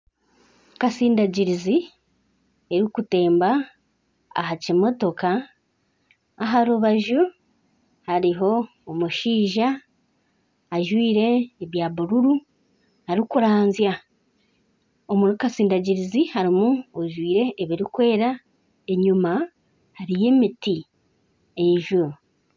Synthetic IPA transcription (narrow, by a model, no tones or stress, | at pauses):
kasiːndaɟiɾizi | e̞ɾikute̞ːmba̰ː | ɦacimo̞to̞ka | ɦaɾuβaʒu | haɾiɦo̞ː | muʃiːʒa | ʒwiːɾe̞ːβjaːβuɾuɾu | haɾikuɾaːnzja | omuɾukasiːndaɟiɾizihaɾimuoʒwiːɾe̞ʔːβiɾikwe̞ːɾa | eɲuma | haɾije̞ːmiti | eʒu